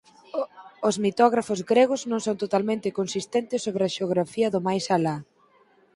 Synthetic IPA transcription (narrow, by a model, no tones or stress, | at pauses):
ozmit̪ɔɣɾafʊzɡɾeɣ̞ʊznõŋsõnt̪ot̪almẽnt̪ɪkonsist̪ent̪ɪsːoβɾɪɐʃeoɣɾafiɐðʊmajsala